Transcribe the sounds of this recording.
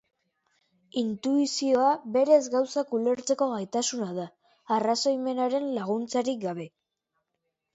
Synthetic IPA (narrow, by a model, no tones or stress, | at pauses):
int̪uisio̞aβe̞ɾe̞zɡawsakule̞ɾt͡se̞ko̞ɣajt̪asunað̞aː | raso̞jme̞naɾe̞nlaɣ̞unt͡saɾik̚ɡaβ̞e̞